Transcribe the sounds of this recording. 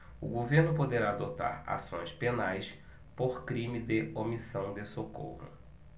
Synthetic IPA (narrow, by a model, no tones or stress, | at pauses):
ʊ̰ɡoveɾnʊpod̪eɾaːd̪ot̪a̰ɾa̰sõ̰j̃spenajs | poɾkɾĩmɪd̪ɪomisɐ̃w̃d̪ɪsoko̰hʊ̰